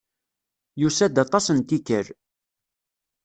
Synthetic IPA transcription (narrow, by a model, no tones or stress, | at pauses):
jusæd̪ɑt̪ˤɑsənt̪ikəɾ